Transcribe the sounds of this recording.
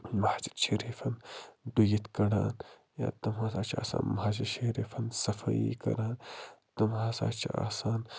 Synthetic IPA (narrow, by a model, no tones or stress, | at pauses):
maht͡ʃi̥t͡ʃʰeɾifʰɐndujit̪kɐɽa̰ːn | ja̰ːt̪ɐmhãːsaːt͡ʃʰa̰ːsa̰ːnmɦaːd͡ʒ̬ɐt͡ʃʰeɾifʰɐnsɐfʰɐjḭkɐ̰ɾaːnt̪ɐmãːsa̰ːt͡ʃʰʔa̰ːsaːn